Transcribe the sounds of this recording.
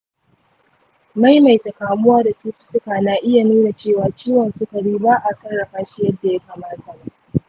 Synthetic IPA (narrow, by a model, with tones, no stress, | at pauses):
ma˦jma˨jtɐ˨kaː˨mʊ˦waː˦da˨tuː˦tɪ̥˦tʊ˦kaː˨na˨ʔɪ˦ja˨nuː˦na˨t͡ʃeː˦˨waː˨t͡ʃiː˦wɐ˨nsʊ˦ka˨ɽiː˦baː˦ʔa˨sɐ˦rɽɐ˨ɸaː˦ʃi˦jɐ˦dːa˨ja˦ka˨maː˦ta˨a˦